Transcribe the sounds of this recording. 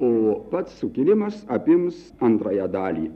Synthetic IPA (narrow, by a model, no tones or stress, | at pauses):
oːpɐt̪sːʊkʲiːlʲɪmɐsɐpʲɪms | ɐnt̪ɾɑːjɛd̪ɑːlʲḭː